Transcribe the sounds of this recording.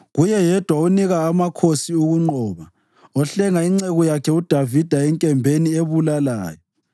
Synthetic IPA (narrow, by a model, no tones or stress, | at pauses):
ɣujɛjɛd̥ʱwauniɣaːmakʰosiuɣuŋ͡ǃɔːβa | ɔɬɛŋaiŋ͡ǀeɣɔjakʰɛud̥ʱavid̥ʱaɛŋkʼɛmbʱenieβulala̰ːjɔ